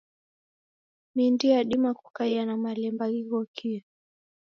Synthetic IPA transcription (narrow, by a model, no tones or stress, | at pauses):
mindiaɗimaku̥kaianamalɛmbaɣiɣɔkʰi